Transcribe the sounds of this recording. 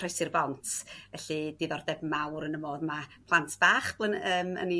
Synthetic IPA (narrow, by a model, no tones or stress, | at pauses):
rejsɨrbɔntʰvɛɬɨdiðɔrdɛbmawɾənəmoːðmapʰlˠantʰb̥aːχb̥lˠənəːmə̰ni